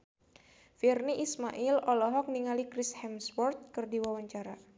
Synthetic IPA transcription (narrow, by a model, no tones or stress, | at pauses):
firniʔismaʔilɔlɔɦɔk̚niŋalikɾishɛmspɔrt̪̚kɨrdiwawaɲt͡ʃaɾa